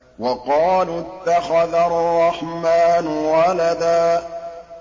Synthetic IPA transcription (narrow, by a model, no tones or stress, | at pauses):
wɑqɑːlʊt̪ːaxaðarˤːɑħmaːnʊwalad̪aː